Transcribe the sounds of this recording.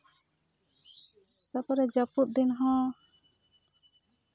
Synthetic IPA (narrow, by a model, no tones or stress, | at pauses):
sapaɾɛd͡ʒaput̪̚d̪inɦɔ̃